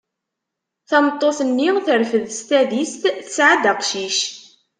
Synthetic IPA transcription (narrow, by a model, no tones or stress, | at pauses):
θɑmət̪ˤːoθənːiʁθəɾfəðst̪æðist̪θəsʕad̪æqʃiʃ